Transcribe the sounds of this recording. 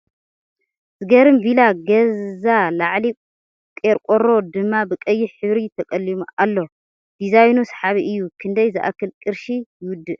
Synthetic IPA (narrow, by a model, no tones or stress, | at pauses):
z̥ɨɡɐɾɨmbilaɡɐzalaʕli | kʼeɾkʼoɾo̞d̪ɨmːabɨkʼɐjːiħɨβɾit̪ʰɐkʼɐlːimuʔalːo̞ | d̪̥izajnusħaβiʔɨjːukʰɨnd̪ɐjzɨʔa̰kʰːɨlkʼɨɾʃijɪwʊd̪ːɨʔ